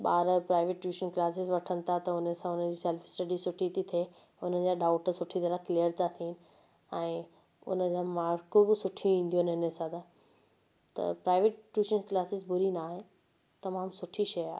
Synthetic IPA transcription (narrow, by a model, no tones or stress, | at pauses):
ɓaːɾəpɾaːɪʋeʈʈjuːʃənklaːsɪzʋɐʈʰənɪ̆t̪ʰat̪ɐʊnəsãʊnəd͡ʑiːsɛlfɪ̥sʈɐɖisʊʈʰit̪ʰit̪ʰe | ʊn̤ən̆d͡ʑaːɖaːʊʈəsʊʈʰit̪ɐɾəklijəɾt̪ʰat̪ʰiɦɪnɪ̆ | ɛ̃ː | ʊ̰nə̆d͡ʑaːmaːɾkobɪsʊʈʰĩĩːn̆d̪ijonɪnəsãd̪ʰa | t̪ɐ̰pɾaːɪʋeʈ̚ʈjuːʃənklaːsɪzbʊɾinaːɦe | t̪ɐmaːmsʊʈʰiʃɐjaːɦe